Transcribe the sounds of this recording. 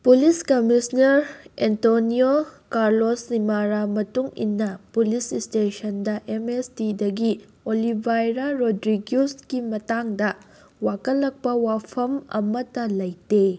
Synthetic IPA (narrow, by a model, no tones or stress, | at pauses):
puliskɐmisnɐɾentoniokaɾlosnimaɾamɐtuŋḭnːɐpulisistesɐndɐʔemesdidɐɡi | olibʱajɾaɾodɾiɡjuskimɐtaŋdɐ | wakɐlːɐk̚pɐwapʰɐmɐ̰mɐtɐlɐjte